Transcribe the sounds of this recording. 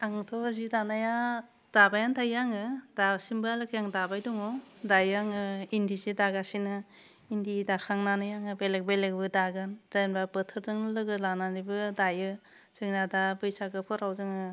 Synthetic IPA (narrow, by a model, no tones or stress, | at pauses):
aŋtʰɔzidanaja | d̥abajantʰajaŋɯdasimbɯalɯkʰjaŋdabajdɔŋɔdajaŋɯindizidaɡasinɯ | indidakʰaŋnanɯjaŋɯbelek̚belekbɯdaɡɯnz̥ajnbabɯtʰɯɾdɯŋlɯɡɯlananibɯdajɯ | sɯŋnadabɯjsaɡɯpʰɔɾawzɯŋɯ